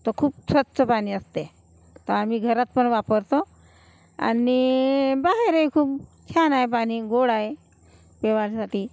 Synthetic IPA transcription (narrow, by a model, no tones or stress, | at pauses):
t̪okʰuːpsət͡səpaɽ̃iːəst̪e | t̪əam̤iːɡʱəɾat̪̚pəɳʋapəɾt̪o | a̰nibaɦeɾejkʰuːp̚t͡ɕʰanaepaɽ̃iːɡoɽae | peʋalsaʈʰiː